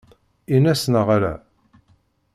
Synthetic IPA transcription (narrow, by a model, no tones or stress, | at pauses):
inæsnəʁaɾæ̰